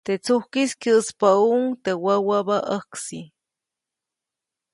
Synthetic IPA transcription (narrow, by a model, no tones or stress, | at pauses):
t̪et͡suhkiskəʔspauʔŋt̪ewawabaʔəksi